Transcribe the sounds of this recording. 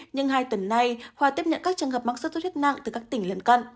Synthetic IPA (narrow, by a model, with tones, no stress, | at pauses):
ɲɨ˧ŋhaː˧jt̪ə˨˦nːa˧jhwaː˧˩t̪i˦˥p̚ɲə̰˧˨nkaː˦˥k̚t͡ɕɨ˨˩əŋɦəː˨˩p̚maː˧˥ŋst̪o˧˦t̪ʰi˦˥t̚na̰˧˨ŋt̪ɨ˨˩kaː˦˥k̚t̪ï˧˩ŋ̟lə˨˧nka˧n